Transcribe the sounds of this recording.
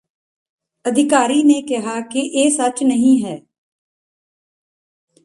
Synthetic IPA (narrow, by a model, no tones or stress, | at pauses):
ɐd̪ʱɪkaːɾinekɪɦakeʔeːsɐt͡ʃnəɦĩɦɛː